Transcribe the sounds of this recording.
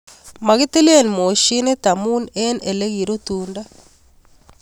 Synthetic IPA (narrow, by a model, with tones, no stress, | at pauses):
ma˨ɣi˦ti˦li˦e˦˨nmo˨ʃi˦ne˦ta˨mu˦ne˦ne˨le˦ɣi˨ɾo˦tunda˦